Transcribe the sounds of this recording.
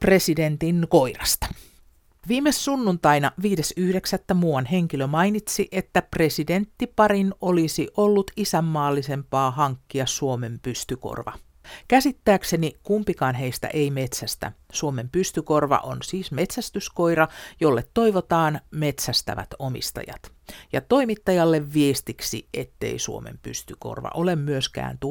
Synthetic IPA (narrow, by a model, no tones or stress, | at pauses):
pre̞side̞nt̪inko̞irɑst̪ɑ̥ | ʋiːmessunːunt̪ɑinɑʋiːdesyhdeksæt̪ːæmuːɑnɦe̞ŋkilømɑinit̪siʔet̪ːæpre̞side̞nt̪ːipɑɾino̞lisiʔo̞lːut̪isæmːɑːlːise̞mpɑːhɑŋkːiɑsuome̞mpyst̪yko̰rʋɑ̰ | kæsit̪ːæːksenikumpikɑːnɦeist̪æ̰ʔeimet̪sæst̪æ̰suomempyst̪yko̞rʋɑ̰ʔonsiːsme̞t̪sæst̪ysko̞iɾɑjolːet̪toiʋot̪ɑːnme̞t̪sæst̪æ̰ʋæ̰t̪omḭst̪ɑ̰jɑ̰t̪ | jɑt̪o̞imit̪ːɑjɑlːeʋːiest̪iksḭḛt̪ːe̞̰isuomḛmpy̰st̪yko̰rʋɑ̰ʔo̞lemmyøskæ̰ːnt̪u